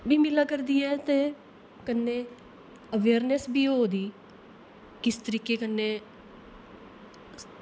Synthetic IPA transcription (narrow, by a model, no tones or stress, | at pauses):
biːmɪlaːkəɾd̪iːɛːt̪eː | kənːeː | əʋeːɾnɛsbʱiːɦoːd̪iː | kɪst̪əɾiːkeːkənːeː